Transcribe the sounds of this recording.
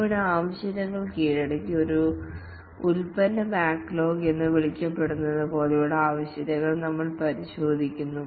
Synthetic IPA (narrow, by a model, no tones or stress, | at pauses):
ʋiɽeaːʋɐɕjɐðɐŋːɐɭkiːɻɐɽɐkʲːio̞ɾu | ulpɐnːɐbaːkːlo̞ːɡe̞nːɨʋiɭikʲːɐpːe̞ɽunːɐðɨpo̞ːlɐjuːɽeaːʋɐɕjɐðɐŋːɐɭnɐmːɐɭpɐɾiɕo̞ːd̪ʱikʲːunːu